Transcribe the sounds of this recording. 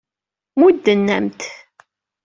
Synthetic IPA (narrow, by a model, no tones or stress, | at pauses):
mud̪ːənːæ̰mt̪